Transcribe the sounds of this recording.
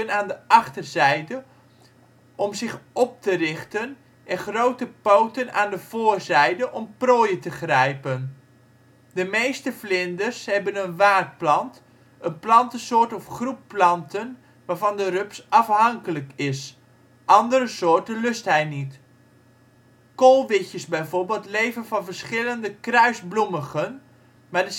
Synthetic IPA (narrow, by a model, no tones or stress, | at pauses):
ənaːndəʔɑχtərzɛjdə | ɔmzɪχɔp̚tərɪχtən | ɛnχrowtəpowtəna̰ːndəv̥oːɹzɛjdəʔɔmproːjətəχrɛjpən | dəmejstəflɪndərshɛbənənʋaːt̚plɑnt | ənplɑntəsʊːɹtɔfχrupːlɑntən | ʋaːɹvɑndərøpsʔɑfɦɑŋkələkɪs | ʔɑndəɾəsoːɹtənlɵstɦɛjnit | kolˠʋɪcəsbɛjvoɹbeːlˠtlejvənvɑnvərɹsχɪləndəkrœɥzbluməɣən | maːɹdə